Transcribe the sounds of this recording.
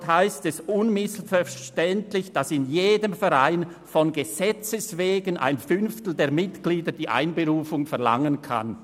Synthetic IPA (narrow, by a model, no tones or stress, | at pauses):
thaɪstɛsʔʊnmɪsfɛʃtɛntlɪçd̥asɪnjeːdəmfɛʁaɪn | fɔnɡez̥ɛt͡səsveːɡənʔa̰ɪnfʏnftl̩deːɐmɪtɡ̥liːdəd̥iːʔa̰ɪnbeʁuːfʊŋfɛɐʁla̰ŋənkʰa̰n